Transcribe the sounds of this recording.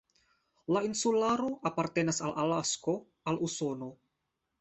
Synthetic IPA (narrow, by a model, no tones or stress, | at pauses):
lainsulaɾo̞ʔapaɾt̪e̞nasalʔalasko̞ | aluso̞no̞